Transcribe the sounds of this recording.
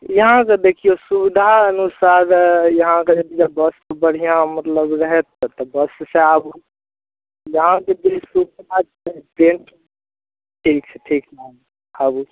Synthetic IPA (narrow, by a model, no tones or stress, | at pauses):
jɐɦãkad̪eːkʰijosud̪ʱaɐnusaːɾjɐɦãkad͡ʒɐbid͡ʒɐbɐstobəɽ̤ijãmɐt̪ləbɾɐɦɛt̪ːt̪ɔbɐsseab | jɐɦãkeb̪isuda | pɾẽːɳʈ | ʈʰiːk̚t͡ʃʰeʈʰiːknam | abu